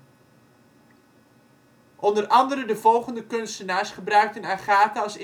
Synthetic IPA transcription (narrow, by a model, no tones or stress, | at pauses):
ʔɔndərʔɑndəɾədəvɔlˠχəndəkɵnstənaːsχəbrœɥk̚tənaχaːtəɑsɪ